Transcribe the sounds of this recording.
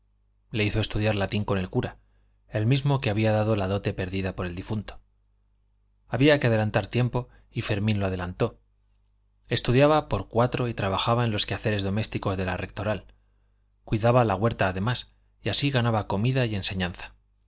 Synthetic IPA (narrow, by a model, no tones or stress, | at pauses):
le̞iθo̞e̞st̪uðjaɾlat̪iŋko̞ne̞lkuɾa | e̞lmizmo̞keaβiaðaðo̞laðo̞t̪e̞pe̞ɾðiðapo̞ɾe̞ld̪ifunt̪o̥ | aβiake̞að̞e̞lant̪aɾt̪je̞mpo̞ | ife̞ɾmĩnloað̞e̞lant̪o̞ | e̞st̪uðjaβapo̞ɾkwat̪ɾo̞it̪ɾaβaxaβaenlo̞skjaθe̞ɾe̞zðo̞me̞st̪iko̞zðe̞larʔe̞k̚t̪o̞ɾal | kwiðaβalaɣwe̞ɾt̪aːðe̞mas | iasiɣanaβako̞miðaje̞nse̞ɲãnθḁ